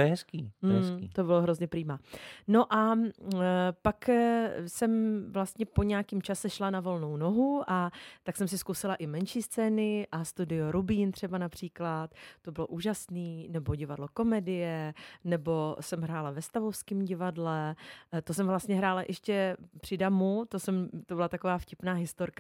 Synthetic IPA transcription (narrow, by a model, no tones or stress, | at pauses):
oɛɦɛskiːɛit̪obɪloɦɾo̞zɲɛpɾiːmano̞ʔa | paksɛmvlast̪ɲɛpo̞ɲɛakimt͡ʃasɛʃlanavo̞lno̞wno̞ɦuʔat̪aksɛmsɪskusɪlaʔɪmɛnʃiːst͡sɛːnɪʔast̪udɪjoɾubiːnt̪r̥ɛbanapr̝̥iːklat̪ːo̞bɪlo̞ʔuːʒasniːnɛbo̞ɟɪvadlo̞ko̞mɛdɪjɛnɛbo̞sɛmɦɾaːlavɛst̪avofskimɟɪvadlɛt̪osɛmvlast̪ɲɛɦɾaːlaʔɛʃcɛpr̝̥ɪdamut̪osɛmt̪o̞bɪlat̪akovaːfcɪpnaːɦɪst̪oɾkḁ